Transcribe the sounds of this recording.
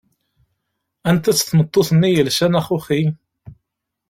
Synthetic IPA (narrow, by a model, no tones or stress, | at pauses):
ænt̪æt͡sːθmət̪ˤːoθənːijəlʃænæχuχi